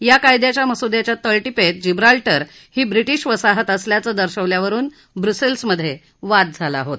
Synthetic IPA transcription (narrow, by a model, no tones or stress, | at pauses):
jakajd̪jat͡ɕjaməsud̪jat͡ɕjat̪əlʈipeʈ̚d͡ʑibɾalʈəɾ | hiːbɾiʈiːɕʋəsaɦət̪əsljat͡səːd̪əɾɕəʋljaʋəɾuːn | bɾuselsməd̪ʱːje | ʋat̪̚d͡zʱala̰ɦot̪